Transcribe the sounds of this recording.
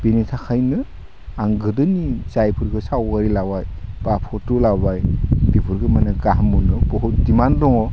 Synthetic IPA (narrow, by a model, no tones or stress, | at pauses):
binitʰakʰajnɯ | aŋɡɯdɯnit͡ʃajpʰɯɾɡɯsawɡaɾilawajb̥apʰɔtulabajb̥ibʰuɾɡɯmanɯɡaɦamunɯbɔɦɯdimandɔŋɔ